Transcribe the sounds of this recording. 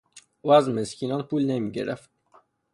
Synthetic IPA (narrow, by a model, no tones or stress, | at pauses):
uæzmeskʲʰinɔnpulnemiɡʲḛɾæft̪̚